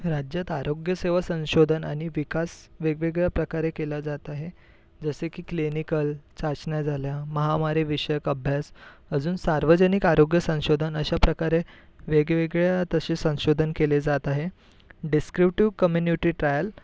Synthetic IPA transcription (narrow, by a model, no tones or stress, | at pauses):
ɾad͡ʑjat̪aɾoɡjəseʋasə̃w̃ɕod̪ʱəna̰ɽ̃iʋikasʋeɡʋeɡɭjapɾəkaɾekelad͡zat̪aɦe | d͡zəsekiːklinikəlt͡ɕat͡ɕɳjad͡zʱaljaməɦamaɾiʋiɕəjəkəbʱjasəd͡zuːnsaɾʋəd͡ʑənikaɾoɡjəsə̃ɕod̪ʱənəɕapɾəkaɾe | ʋeɡʋeɡɭjaat̪əɕesə̃w̃ɕod̪ʱənkeled͡zat̪aɦe | ɖiskɾipʈiʋkəmjunuʈiːʈɾajəl